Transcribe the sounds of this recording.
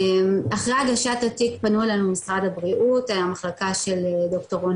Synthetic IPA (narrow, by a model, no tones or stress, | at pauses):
maχʁeaɡaʃatatikpanuelanumisʁadabʁiʔutajamaχlakaʃe̞ledoktoʁon